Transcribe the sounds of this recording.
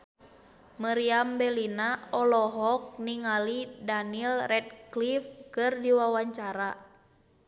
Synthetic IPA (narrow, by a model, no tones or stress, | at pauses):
miɾiambɛlinaɔlɔɦɔk̚niŋalidanilrɛt̚klifkɨrdiwawaɲt͡ʃaɾa